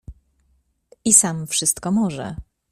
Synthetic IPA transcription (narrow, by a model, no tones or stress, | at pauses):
isamfʂɘst̪kɔmɔʐɛ̰